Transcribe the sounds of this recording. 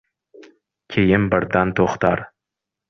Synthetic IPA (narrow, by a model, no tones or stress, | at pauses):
kʲʰejɪmbɪɾd̪ant̪ʰoχt̪aɾ